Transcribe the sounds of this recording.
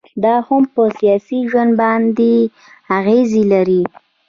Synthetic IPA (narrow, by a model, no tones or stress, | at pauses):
d̪ɑhampəsijɑsiʒwand̪̚bɑnd̪e | aɣezelaɾi